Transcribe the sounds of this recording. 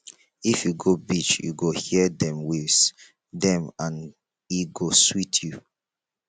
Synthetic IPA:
ifjuɡobit͡ʃjṵɡohidɛ̃mwiz | dɛ̃mãn | iɡoswitʰju

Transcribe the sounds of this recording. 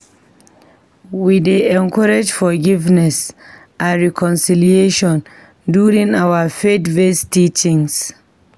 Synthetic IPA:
wideɛ̃nkʰɔɹed͡ʒfɔɡivnɛs | ʔãnɹikʰɔ̃nsilieʃɔ̃n | duɹĩŋawafetvestit͡ʃĩŋs

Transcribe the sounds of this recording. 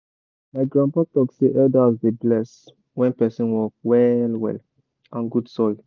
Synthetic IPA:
maɪɡɹãnpɔtɔkseʔɛdazdeblɛs | wɛ̃npɛsĩnwɔk̚wɛlwɛ̰l | ãnɡudsɔl

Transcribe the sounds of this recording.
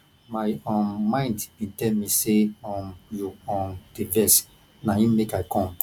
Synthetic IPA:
maɪɔmãɪ̃ndbĩntɛlmĩseɔmjuɔ̃mdevɛs | najĩmekaɪkɔ̃m

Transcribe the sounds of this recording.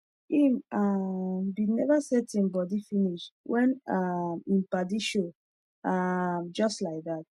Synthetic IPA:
imambinɛvasɛtĩmbɔdifĩniʃwʔɛ̃namĩmpadiʃo | amd͡ʒɔstlaɪk̚ðat̚

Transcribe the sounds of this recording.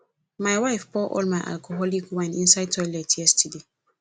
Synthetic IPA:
maɪwaɪfbɔʔɔ̰lmaɪʔa̰lkʰoɦɔlikwãnĩnsaɪtʰɔɪlɛtjɛstʰəde

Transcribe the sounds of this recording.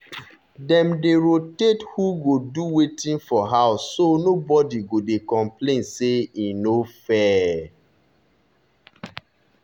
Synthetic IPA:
dɛ̃mdeɹotethuɡoduwetĩnfɔɦaʊsːonobɔdiɡodekɔ̃mplẽnseinofɛ

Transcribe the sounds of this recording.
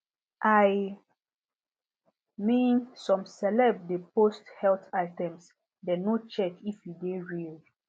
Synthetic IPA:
ʔaj | mĩnsɔ̃msɛlɛbdeposthɛltaɪtɛ̃ms | dɛnot͡ʃɛkifjudeɹil

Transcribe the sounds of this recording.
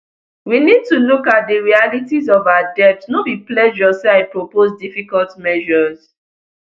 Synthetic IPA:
winid̚tulukat̚dəɹialitizɔvawadɛp̚tsnobiplɛʒɔseaɪpɹopozdifikɔltmɛʒɔz̥

